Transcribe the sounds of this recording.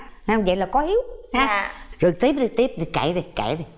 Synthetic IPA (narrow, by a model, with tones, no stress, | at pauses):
hhə˧ŋ͡mvə̰˧˨jlaː˨˩kɔ˨˦hi˨˦əwa˨˦zo˨˩jt̪i˦˥p̚zi˨˩t̪i˦˥əp̚zi˨˩ka̰˧˩˦zi˨˩ka̰˧˩˦zi˨˩